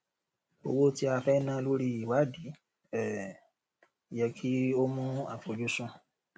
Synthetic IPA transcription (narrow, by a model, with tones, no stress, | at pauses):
o̰˧wo˦ti˦a˧fɛ˦nã˦lo˦ɾi˧i˨wa˨˦˨di˨˦ | ɛ˦˨ | jɛ˧kʰi˦o˦mũ˦a̰˦˨fo˨d͡ʒu˦sũ˧